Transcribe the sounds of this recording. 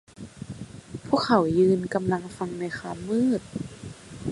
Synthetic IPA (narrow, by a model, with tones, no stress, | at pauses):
pʰuː˥˩˨kʰːa˨˩wjɯː˧nka˧mla˧ŋfa˧ŋna˧jxaː˧mːɯː˥˩t̪̚